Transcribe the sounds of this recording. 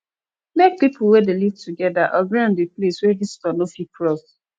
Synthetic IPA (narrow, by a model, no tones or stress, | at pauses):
lɛk̚pipʰl̩ˠwɛdelivtʰuɡɛdaʔɔɡɹãndepleswɛdistɔ̃nofikʰɹɔs